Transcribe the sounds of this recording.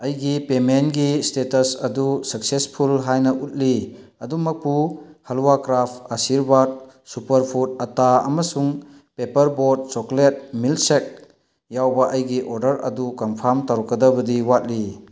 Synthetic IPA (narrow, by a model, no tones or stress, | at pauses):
ɐjɡipemenɡistetɐsɐdusɐk̚sespʰulɦajnɐʔut̚li | ɐdumɐk̚puhɐlwakɾap̚ʰɐsiɾbad̚ | supɐɾpʰut̚ɐtaɐ̰mɐsuŋ | pepɐɾboɾd̚t͡ʃɔklet̚milsek̚ | jawbɐʔɐjɡiʔoɾdɐɾɐ̰dukɔmpʰaɾmtaɾɔkːɐdɐbɐdiwat̚li